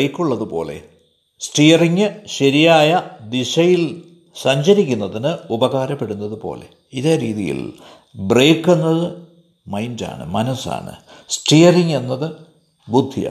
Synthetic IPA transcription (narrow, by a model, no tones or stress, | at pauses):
ejkːuɭːɐðɨpo̞̰ːle̞̰ | sʈijɐriŋːɨɕɐɾijaːjɐd̪iʂɐjil | sɐɲd͡ʑɐɾikʲːunːɐðinɨubɐɣaːɾɐpːe̞ɽunːɐðupo̞̰ːle̞̰ | iðeːɾiːðijḭl | bre̞ːkːenːɐðɨ | mɐjnda̰ːɳɨ̰mɐnɐsa̰ːɳɨ̰sʈijɐriŋe̞nːɐðɨ | bud̪ʱija̰